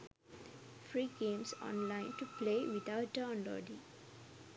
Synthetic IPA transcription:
fɾiːɡẽːmsɔ̰̃nlãɪ̃nʈupleːwit̪aʊʈ̚dəɔ̃nɖɔ̰ɖi

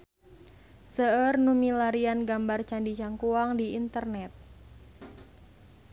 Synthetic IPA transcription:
səərnumilaɾianɡambart͡ʃandit͡ʃaŋkuaŋdiint̪ərnɛt̪̚

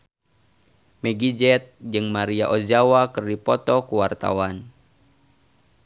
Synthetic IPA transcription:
mɛɡid͡ʒɛt̪̚d͡ʒɨŋmaɾiaʔɔd͡ʒawakɨrdipɔt̪ɔkuwart̪a̰wan

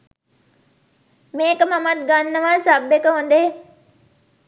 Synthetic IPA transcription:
meːkəmamat̪̚ɡanːəʋaːsabekəɦond̪e

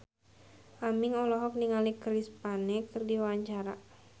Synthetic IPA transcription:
ʔamiŋɔlɔɦɔk̚niŋalikɾispanɛkɨrdiwaaɲt͡ʃaɾa

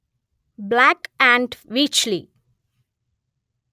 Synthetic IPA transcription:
blækæ̃ɳɖʋit͡ʃlḭ

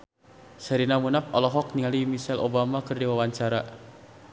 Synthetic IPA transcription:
sɛɾinamunapɔlɔɦɔk̚niŋalimisɛlʔobamakɨrdiwawaɲt͡ʃaɾa

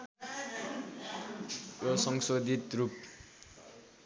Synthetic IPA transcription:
josʌŋsod̪ʱit̪rup̚

